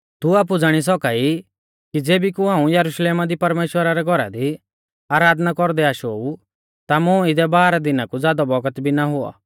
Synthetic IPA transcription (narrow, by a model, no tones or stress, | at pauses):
t̪uaːp̬ud͡zaɽ̃is̬ɔkai | kid͡zeːbikuɦaːũjɐɾuʃleːmad̪ipɐɾmeːʃwəɾaɾɛɡʱɔɾa̰d̪i | aːɾaːd̪nakɔɾd̪ɛaːʃou | t̪amʊ̃ɪd̪ɛbaːɾad̪ɪnakud͡zjaːd̪ɔbɔɡət̪bʱinaɦʊɔ̰